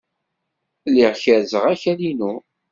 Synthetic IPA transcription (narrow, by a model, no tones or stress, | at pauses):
lːiʁçæɾzəʁæçælinu